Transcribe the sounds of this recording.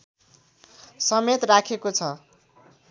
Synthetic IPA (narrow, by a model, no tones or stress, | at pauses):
sʌmet̪rakʰekot͡sʰʌ